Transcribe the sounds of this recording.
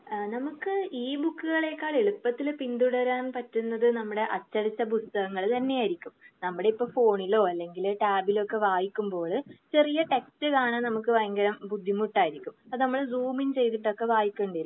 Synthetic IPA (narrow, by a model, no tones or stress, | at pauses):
nɐmukːɨiːbukːɨɣɐɭe̞kːaːɭeɭupːɐt̪ːilpind̪uɽɐɾaːnpɐtːunːɐðɨnɐmːuɽe̞ʔɐt͡ɕːɐɾit͡ɕːɐp̬ust̪ɐɣɐŋːɐɭt̪ɐnːe̞jaːjiɾikʲːumnɐmːuɽe̞ipːoːfo̞ːɳilo̞ːɐlːe̞ŋɡilʈaːbilo̞kːe̞ʋaːjikʲːumbo̞ːɭɨt͡ɕe̞rijɐʈe̞kstɨkaːɳɐːnɐmuk̬ːɨʋɐjɐŋɡɐɾɐmbud̪ʱːimuʈːaːjiɾikʲːumɐðɨnɐmːɐɭzuːmint͡ɕe̞jt̪̬iʈːo̞kːe̞ʋaːjikʲːeɳɖajɾ